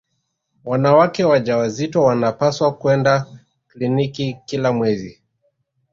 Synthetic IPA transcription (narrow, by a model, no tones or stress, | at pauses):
wanawakɛwaʄawazitwawanapaswakuɛnda | klinikikilamwɛzi